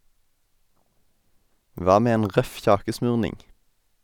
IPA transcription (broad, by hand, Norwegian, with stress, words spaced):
ˈʋɑː ˈmeː ˈeːn ˈʁœf ˈçɑːkəˌsmʉːʁnɪŋ